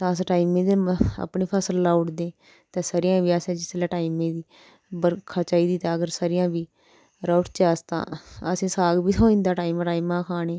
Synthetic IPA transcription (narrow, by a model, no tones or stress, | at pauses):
t̪ãːsʈaːimẽːd̪ea̰pɳiːpʰaːsəlːaːʊʈd̪eː | t̪ãːsəɾɪjãːʋiːasɛ̃ːd͡ʒɪslɛːʈaːimẽːd̪iː | bəɾkʰaːt͡ʃaːiːd̪iːt̪ãːəɡəɾsəɾɪjãːbiː | ɾaːʈt͡ʃaːst̪ã̰ːəsẽːsaːɡbiːsoːĩnd̪aːʈaːimʈaːimãːkʰaːneː